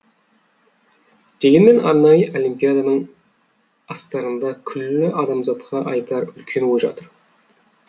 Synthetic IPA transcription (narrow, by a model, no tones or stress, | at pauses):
d̪̥e̞ɡʲenme̞nɑ̰ɾnɑjəʔo̞limpʲijad̪ɑnəɴ | ɑst̪ɑɾənd̪ɑkʲʰʏlːɪʔɑd̪ɑmzɑt̪qʰɑʔɑjt̪ɑɾʏlkʲʰe̞nwoʒɑ̰t̪əɾ